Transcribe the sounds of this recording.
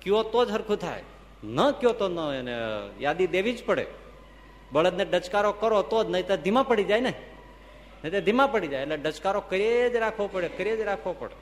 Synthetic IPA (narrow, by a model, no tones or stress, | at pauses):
kiot̪od͡ʒɦəɾkʰut̪ʰa̰ḛ | nəkiot̪onənejad̪id̪eʋid͡ʒpəɽḛ | bəɭəd̪neɖət͡ʃkaɾokəɾot̪od͡ʒnəjt̪ed̪ʱimapəɽid͡ʒajne | nəit̪ed̪ʱimapəɽid͡ʒajleɖət͡ʃkaɾokəɾed͡ʒɾakʰʋopəɽekəɾed͡ʒɾakʰʋopəɽḛ